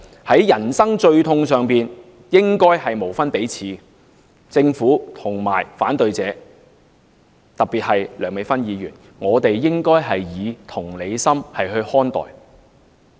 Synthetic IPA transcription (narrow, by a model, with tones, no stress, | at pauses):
hɐ˨˥jjɐ˨˩nsɐ˥ŋt͡ʃɵ˧ɥt̪ʰʊ˧ŋsœː˨ŋpiː˨n | jɪ˥ŋkɔː˥jhɐ˨jmo˨˩wfɐ˥npe˨˥jt͡sʰiː˨˥ | t͡sɪ˧ŋfuː˨˥t̪ʰʊ˨˩ŋmaː˨˩jfaː˨˥nt̪ɵ˧ɥt͡sɛː˨˧ | t̪ɐ˨k̚piː˨˩t̚hɐ˨jlœː˨˥ŋme˨˧˥fɐ˥njiː˨˧jyː˨˩n | ŋɔː˨˧t̪e˨jːɪ˥ŋkɔː˥jɦɐ˨jjiː˨˧t̪ʰʊ˨˩ŋle˨˧jsɐ˥mhɐ˨jɦɵ˧ɥhɔː˥nt̪ɔ̰ː˨j